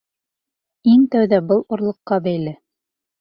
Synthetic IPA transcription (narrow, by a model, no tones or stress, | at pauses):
iŋt̪æwðæbɤlˠŏɾlˠɤ̆qːɑbæjlɘ